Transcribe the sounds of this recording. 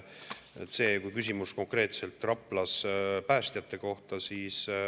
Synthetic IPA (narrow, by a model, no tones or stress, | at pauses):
et̪ːse̞ːkujkysʲimusko̞ŋkre̞ːt̪se̞lt̪ːˑrɑpːˑlɑspæːst̪jɑt̪ːˑe̞ko̞ht̪ɑsiːs